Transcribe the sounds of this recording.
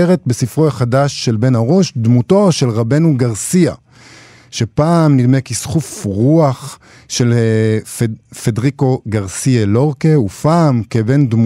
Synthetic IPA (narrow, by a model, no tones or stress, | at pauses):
eʁetbesifʁojaχadaʃːe̞lbe̞nhaʁo̞ʃdmuto̞ʃe̞lʁabe̞nuɡaʁsia | ʃe̞paːmnidmekisχufʁuaχ | ʃe̞l | fedʁiko̞ɡaʁsielo̞ʁkeupaːmkevend̪m